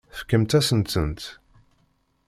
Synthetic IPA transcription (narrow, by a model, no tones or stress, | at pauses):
fə̥kːəmt̪æsənt̪ənt̪